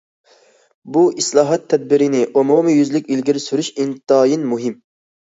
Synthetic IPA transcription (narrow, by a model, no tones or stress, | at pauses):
buislˠɑːɦɑt̪ʰːɛd̪̚bɪɾɪnɪʔomumɨjyzlɪkʲilɡʲiɾɪsyɾyʃint̪ɑːjinmuɦɪm